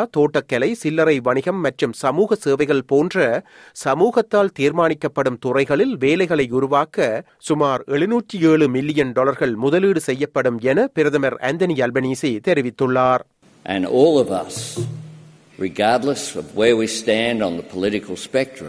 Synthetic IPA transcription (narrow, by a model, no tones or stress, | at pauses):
t̪oːʈːɐkːɛlɐɪsɪlːɐɾɐɪʋɐɳɪɣɐmːɐʈrɯmsɐmuːɣɐseːʋɐɪɣɐɭpoːndrɐ | sɐmuːɣɐt̪ːaːlt̪iːɾmaːnɪkːɐpːɐɽɯmt̪ʊrɐɪɣɐɭɪlʋeːlɐɪɣɐɭɐɪʊɾʊʋaːkɐ | sʊmaːɾɛɭɯnuːʈːieːɭɯmɪlːɪjɐnɖɔːlɐɾɣɐɭmʊðɐliːɽɯsɛjːɐpːɐɽɯmɛnɐpɪɾɐðɐmɐɾɛ̰nd̪ɐniɐlbɐniːsit̪ɛɾɪʋɪt̪ːɯɭːaːɾ | ʔɨ̰̃nɔlˠʌvʌ̰s | ɹɨɡɑɹdˡləsʌvwə˞wistæ̃ndn̩ðəpʰəlɪɾɨkʰl̩ˠspɛk̚tɹɨ̰̃m